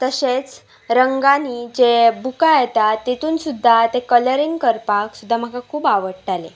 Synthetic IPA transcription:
t̪əɕet͡s | ɾəŋɡanid͡ʑebukajɛt̪at̪ːet̪uːnsud̪ʱːat̪ekələɾiŋɡkəɾpaksud̪ʱːam̤əkakʰuːbaʋəɽʈalḛ

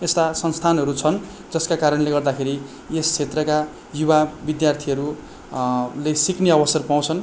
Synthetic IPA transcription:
est̪asʌnst̪ʰanɦʌɾut͡sʰʌn | d͡zʌskakaɾʌnleɡʌrd̪akʰeɾi | est͡sʰet̪rʌka | jubabid̪jart̪ʰiʌɾu | lesikneʌbʌsʌrpaw̃t͡sʰʌn

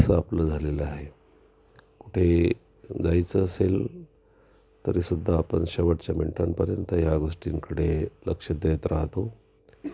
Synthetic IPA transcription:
səapləd͡zʱaleləaɦe | kuʈʰe | d͡zajt͡səːsel | t̪əɾisud̪ʱːaːpəɳɕəʋəʈt͡ɕjamḭɳʈanpəɾjənt̪əjaɡoʂʈiŋkəɽeləkʂəd̪əjət̪ɾaɦt̪o

